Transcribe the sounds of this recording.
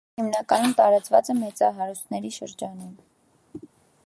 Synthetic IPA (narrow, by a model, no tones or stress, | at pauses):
himnɑkɑnumt̪ɑɾɑt͡svɑ̰t͡sɛmɛt͡sɑɦɑɾust̪ʰnɛɾiʃə̰ɾd͡ʒɑnum